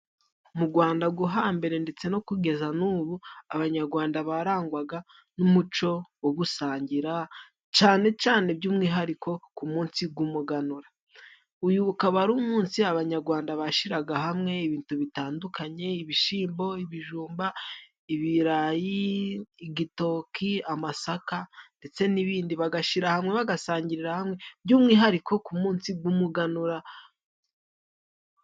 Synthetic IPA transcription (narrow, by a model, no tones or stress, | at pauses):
umuɡwaːndaɡuɦaːmbe̞ɾe̞nde̞t͡se̞no̞kuɡe̞zanuβuaβaɲaɾɡwaːndaβaɾaːŋɡwaɡa | numut͡ʃo̞woɡusaːɲɟiɾa | t͡ʃaːne̞t͡ʃaːne̞bɟuːmŋiːɦaɾiko̞kumuːnsib̚ɡumuɡanuɾa | ujuβukaβaɾuːmuːnsiaβaɲaɾɡwaːndaβaʃiɾaɡaɦamŋe̞iβiːntuβitaːndukʰaɲe̞iβiʃiːmbo̞iβiʒuːmba | iβiɾajiː | ɡito̞kʰiamasakande̞t͡se̞niβiːndiβaɡaʃiɾahamŋe̞βaɡasaːɲɟiɾiɾahamŋe̞bɟuːmŋiːɦaɾikʰo̞kumuːnsiɡumuɡanuɾa